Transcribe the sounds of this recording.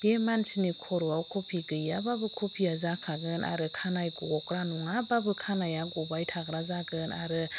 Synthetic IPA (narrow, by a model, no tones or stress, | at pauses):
b̥emansinikʰoɾuawkʰopʰiɡəjababəkʰopʰiazakʰaɡənʔa̰ɾɯkʰanajɡoɡɔkɾanuŋababəkʰanajaɡobajtʰaɡɾazaɡəna̰ɾɯ